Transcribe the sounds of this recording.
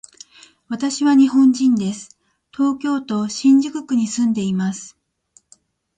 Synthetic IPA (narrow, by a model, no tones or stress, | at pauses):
βat̪aɕiβaɲ̟iɦõ̞ɲd͡ʑĩnd̪e̞sɨ̥ | t̪o̞ːkʲo̞ːt̪o̞ɕĩɲ̟d͡ʑɨkɯ̟kɯ̟ɲ̟isɨ̃nd̪e̞imasɨ̥